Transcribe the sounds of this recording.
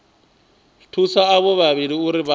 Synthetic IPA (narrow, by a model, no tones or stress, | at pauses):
tʰusaːβɔβaβiɺiuɾiβa